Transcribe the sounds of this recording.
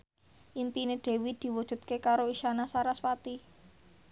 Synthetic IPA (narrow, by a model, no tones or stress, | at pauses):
ʔimpineɖ̪̥e̤wid̪̥i̤wud̥ʒ̥ṳd̪̚kekaɾoiʃanasaɾaswat̪i